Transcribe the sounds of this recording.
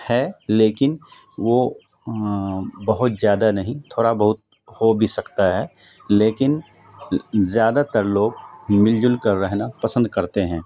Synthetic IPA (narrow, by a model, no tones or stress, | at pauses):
hɛleːkɪn | ʋo | bɐɦʊt̪zjaːd̪anɐɦĩt̪ʰoːɽabɐɦʊt̪̚ | hobʱisɐkt̪aɦɛː | leːkɪn | zjaːd̪at̪əɾloːɡmɪld͡ʒʊlkɐɾːɛɦnapɐsə̃nd̪̚kɐɾt̪eɦɛ̃ː